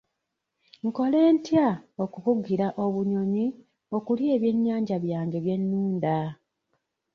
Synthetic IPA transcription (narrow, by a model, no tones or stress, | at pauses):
ŋko̞le̞ːntjao̞kukuɡiɾaʔo̞βuɲo̞ɲi | o̞kulje̞ːβje̞ɲːaːɲɟaβjaːɲɟe̞βje̞nːuːnda